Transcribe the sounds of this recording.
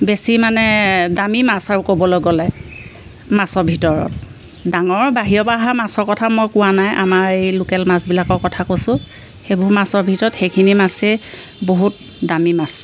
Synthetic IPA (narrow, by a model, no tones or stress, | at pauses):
besimanɛdamimasaɹukobɔlojɡɔlɛ | masɔɹbʱitɔɹɔ̰t | daŋɔɹbaɦijɔbaɦamasɔɹkɔtʰamɔjkʊwanajʔa̰maɹejlukɛlmasbilakɔɹkɔtʰakosʊ̃ | xejboɦumasɔɹbʱitɔɹɔtxejkʰinimase | boɦut̚ | damimas